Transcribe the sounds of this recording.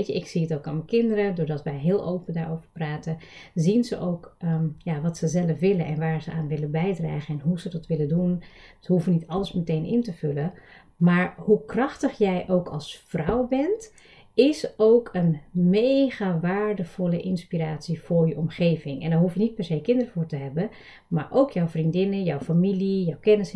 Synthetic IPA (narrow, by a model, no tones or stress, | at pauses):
ejəɪksiətowkaməkɪndəɾədʊːɹdɑtʋɛjɦɪːlˠʔowpədaːɹoːwvəɹpraːtəziənzəʔowkəjaʋɑtsəzɛləfʋɪlənʔɛnʋaːɹzəʔaːnʋɪləbɛjdra̰ːχəɛnɦuzədɔtʋɪlədunthuəfənitɑləsmətejnʔɪ̰ntəvʏlə | maːɹhukrɑxtəχjɛjʔowkʰɑlˠsfrɔwbɛnt | ɪsowkʰənmejɣaʋaːɹdəfɔlˠəʔɪnspiraːtsifʊːɹjəʔɔmχeːvɪŋɛ̰ndɔɦufənit̚pɛrsejkɪndərəfʊːɹtəɦɛbə | maːɹʔowkʰjɔwfrindɪnəjɔwfamilijɔwkɛnəs